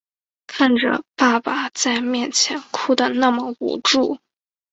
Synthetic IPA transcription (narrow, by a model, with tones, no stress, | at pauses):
kʰa˥˩nʈ͡ʂə̰˨˩pa˥˩pa˨˩t͡sa˥˧ɪmjɛ˥˩nt͡ɕʰjɛ˧˥nkʰu˥˩d̪ə˨˩na˥˩mə˩ṵ˨˩ʈ͡ʂu˥˩